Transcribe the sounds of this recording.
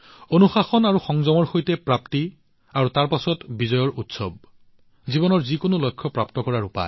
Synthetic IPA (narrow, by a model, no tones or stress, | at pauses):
onuxaxɔnaɹuxɔŋzɔmɔɹxojtɛpɹapti | aɹutaɹpasɔtbizɔjɔɹutsɔb̚ | zibɔnɔɹzikonolokʰːɔpɹaptɔkɔɹaɹupa̰ɛ